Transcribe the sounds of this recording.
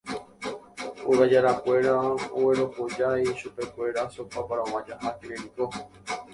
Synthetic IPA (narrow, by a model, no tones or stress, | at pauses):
oɾad͡ʒaɾakʷe̞ɾao̰weɾo̞kod͡ʒajʃupe̞kʷe̞ɾasopapaɾaowãd͡ʒahakiɾeɾiko